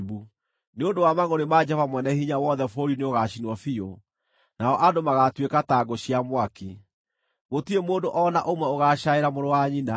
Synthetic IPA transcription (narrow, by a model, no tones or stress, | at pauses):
βu | neondowamaŋoɾemad͡ʒɛvamwɛnɛhiɲawɔðɛfoɾineoɣaɕinwɔfio | naɔʔadomaɣatwekataɡoɕiamwaki | ɣotiemoːndoʔɔnaʔomwɛoɣaːʃaeɾamoɾowaɲina